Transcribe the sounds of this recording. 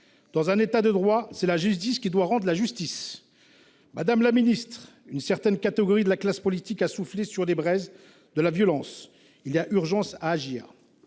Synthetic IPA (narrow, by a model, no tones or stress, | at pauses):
d̪̥ɑ̃zɛ̃net̪ad̪əd̪ʁwasɛlaʒyst̪iskʲid̪waʁɑ̃d̪ʁlaʒyst̪is | mʔad̪amlaminist̪χ | ynsɛʁt̪ɛnkat̪eɡɔʁid̪əlaklaspɔlit̪ikasuflesyʁlebʁɛz | d̪əlavjɔlɑ̃s | iliaʔyʁʒɑ̃saːʒiːʁ